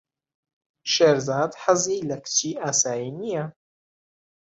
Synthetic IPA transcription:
ʃeːɾzaːd̪ħɨziːlɐkʰɨ̥t͡ʃiːʔaːsaːjinijɐ

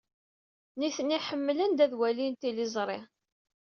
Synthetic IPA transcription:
niθənːiħəmːlənd̪æðwælint̪ilizˤɾˤɪ

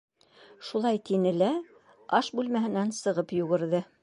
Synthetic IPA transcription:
ʃulˠɑjt̪inɘlæ | ɑʃbʉlmæɦɘ̆nænsɤ̆ʁɤpjuɣɘ̆ɾðɘ

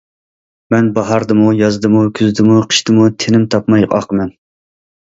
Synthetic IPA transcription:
mɛnbɑɦɑɾd̪ɨmujɑzd̪ɨmukʲʰyzd̪ɪmuqʰə̥ʃt̪ɨmut̪ʰenɪmt̪ʰɑpmɑjɑ̰qəmɛn

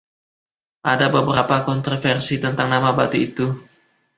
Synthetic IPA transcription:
ʔadabəbəɾapakɔnt̪ɾɔfɛrsit̪ənt̪aŋnamabat̪uit̪u

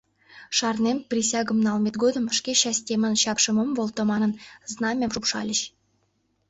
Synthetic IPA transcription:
ʃɑrnemprʲis̬ʲɑɡə̆mnɑlˠmʲet̪̚ɡod̪ə̆mʃkʲeɕɑsʲtʲemənɕɑpʃə̆məmvolˠt̪ŏmɑnə̆nznɑmʲemʐupʃɑlʲəɕ

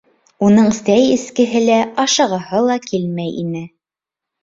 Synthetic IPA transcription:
unɤɴsæjɘ̆skɘ̆ɦɘlæɑʃɤ̆ʁɤ̆hɤlˠɑkʰilmæjḭnɘ

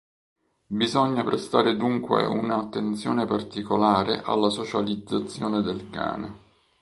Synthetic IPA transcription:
bizɔɲːapɾest̪aːɾed̪uŋkwḛunaːt̪ːent̪sjɔːnepart̪ikolaːɾḛʔa̰lːasot͡ʃalid̪zat̪sːjɔːned̪elka̰ːnḛ

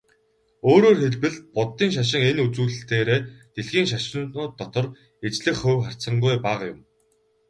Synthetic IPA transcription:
oːɾoːrxeɮpɘ̆ɮ̚pʊt̪ːiːŋʃ̬aʃ̬ɪ̆ŋenut͡suːɮɘ̆ɬt̪eːɾeːt̪eɮɣiːŋʃ̬aʃɪ̆nʊːt̪ːɔt̪ɞ̆r | et͡ɕɮɘ̆xχɵwχar̥t͡sə̆ɴɢʊjpaːʁjʊ̰m

